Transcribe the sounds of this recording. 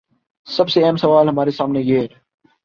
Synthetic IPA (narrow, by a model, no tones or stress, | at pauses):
sɐbseɛːmsɐʋaːlɦɐmaːɾesaːmnejeːɾ